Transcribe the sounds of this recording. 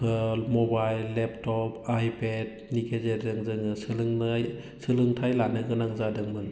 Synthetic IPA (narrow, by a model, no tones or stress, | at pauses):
kʰɯlmɔbajlːep̚tɔpajped̚ | nikʰezedɯŋzɯŋɯsɯlɯŋaj | sɯlɯŋtʰajlanɯɡɯnaŋzadɯŋbɯn